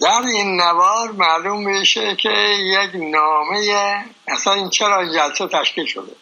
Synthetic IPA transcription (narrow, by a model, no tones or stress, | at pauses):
d̪̥æɾinːævɒːɾmælumːiʃekʲʰejeknɒːmeje | æsæniːnt͡ʃʰeɾɒːind͡ʒælset̪ʰæʃkiːlʃo̰d̪e